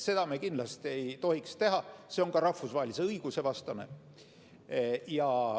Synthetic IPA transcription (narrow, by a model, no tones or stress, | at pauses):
se̞d̪̥ɑmekind̪lɑst̪ie̞jt̪o̞hikst̪e̞ɦɑse̞o̞ŋkɑɾɑfusvɑːelise̞ɤiɡ̥use̞vɑst̪ɑne̞ | jɑ